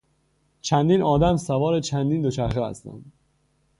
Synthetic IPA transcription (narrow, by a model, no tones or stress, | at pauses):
t͡ʃʰænd̪iːnʔɒːd̪æmsævɒːɾet͡ʃʰænd̪iːnd̪ot͡ʃʰæɾxeæ̰st̪æ̰nd̪